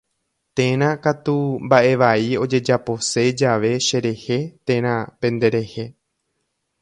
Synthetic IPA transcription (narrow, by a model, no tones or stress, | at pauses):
t̪ẽ̞ɾ̃ãkat̪umbaʔe̞ʋaio̞d͡ʒe̞d͡ʒapo̞se̞d͡ʒaʋe̞ʃe̞ɾe̞he̞t̪ẽ̞ɾ̃ãpẽ̞nd̪e̞ɾe̞he̞